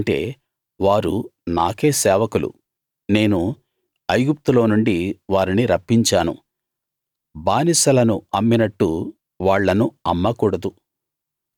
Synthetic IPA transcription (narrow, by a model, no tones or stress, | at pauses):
ɳʈe̞̰ː | ʋaːɾṵnaːke̞ːsɛːʋɐkulṵ | ne̞ːnu | ɐjɡup̚t̪ulo̞ːnuɳɖiʋaːɾiniɾɐpːiɲt͡ʃaːnṵ | baːnisɐlɐnuɐmːinɐʈːu | ʋaːɭːɐnuɐmːɐkuːɽɐd̪u